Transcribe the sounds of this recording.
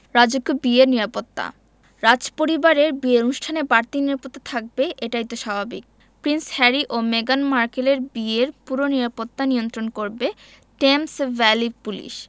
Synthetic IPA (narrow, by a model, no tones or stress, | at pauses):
ɾad͡ʑoɡːobieɾniɾapot̪ːa̰ | ɾad͡ʑpoɾibaɾeɾbieonuʃʈʰanebaɾt̪iniɾapot̪ːat̪ʰak̚beʔeʈajt̪oʃabʱabik̚ | pɾinshɛɾiʔomeɡanmaɾkeleɾbieɾpuɾoniɾapot̪ːaniont̪ɾonkoɾbe | ʈemsvɛlipulḭʃ